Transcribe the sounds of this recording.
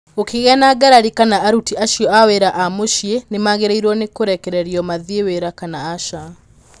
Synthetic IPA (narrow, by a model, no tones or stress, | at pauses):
okeɣɛnaɡaɾaɾikanaʔaɾutiaʃiɔaweɾaʔamoʃjenemaɣeɾeiɾwɔnekoɾɛkɛɾɛɾiɔmaðeweɾakanaːʃa